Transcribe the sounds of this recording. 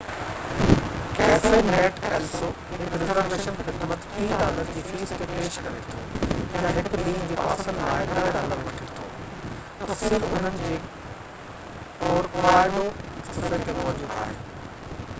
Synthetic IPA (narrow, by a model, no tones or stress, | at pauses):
kɛːsemɛːʈɛːlso | ɦɪkɾɪzəɾʈeːʃənxɪd̪mət̪pĩːɖaːləɾd͡ʑiːfiːst̪epeːʃkɐɾet̪ʰo̰ːtɐ̃ɦɪklĩːɦd͡ʑiːpa̰ːsənlaːɪɗɐɾɖaːləɾʋɐʈʰɪt̪ʰo̰ː | t̪ɐsɪɾʊn̤ənɪ̆d͡ʑeː | ɔːɾpaːɾɪɽosɪfət̪emɔɦd͡ʑuːb̪a̰ːɦḛː